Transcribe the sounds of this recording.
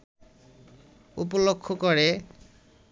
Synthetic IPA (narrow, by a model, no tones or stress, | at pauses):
up̬olokʰːokɔɹe